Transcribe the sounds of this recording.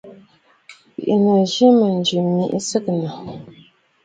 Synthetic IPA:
pḭ˨ʔnə˨ʒi˦mə˨n˨d͡ʒʉ˨mːi˨ʔsə˦kna˨

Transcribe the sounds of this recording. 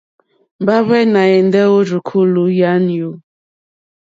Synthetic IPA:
m˨ba˦βɛ˦na˨e˨n˦de˦o˦ɾu˨kʰu˦lu˨ja˦n˨u˨˦

